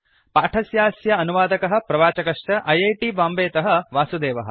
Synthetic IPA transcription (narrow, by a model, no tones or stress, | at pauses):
paːʈʰɐsjaːsjɐɐnuʋaːd̪ɐkɐɦɐ̆pɾɐʋaːt͡ʃɐkɐʂt͡ʃɐʔɐjejʈibaːmbeːt̪ɐɦɐ̆ʋaːsud̪eːʋɐɦɐ̰̆